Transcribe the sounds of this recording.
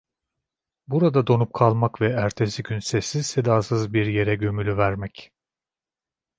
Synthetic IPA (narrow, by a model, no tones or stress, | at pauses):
buɾad̪ad̪o̞nup̚kʰalˠmakvɛæɾt̪ʰe̞siɟynsɛsːiz̥sed̪aːsɯzbiɾje̞ɾɛɟø̞mylʲyvæɾmɛc